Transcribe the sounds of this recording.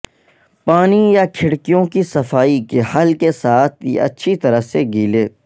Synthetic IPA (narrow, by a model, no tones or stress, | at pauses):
paːnijakʰɪɽkijõkisɐfaːikehɐlkesaːt̪̚ʰɐ̰tːʃʰit̪ɐɾəɦseɡiːleː